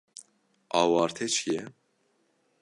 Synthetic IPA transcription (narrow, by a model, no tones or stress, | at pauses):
ɑːwɑːɾt̪ʰɛt͡ʃʰijɛ